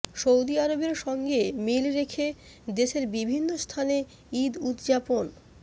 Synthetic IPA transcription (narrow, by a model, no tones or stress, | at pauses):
ʃowd̪iaɾobeɾʃɔŋɡemilɾekʰe | d̪eʃeɾbibʱinːost̪ʰane | id̪ut̪d͡ʑapon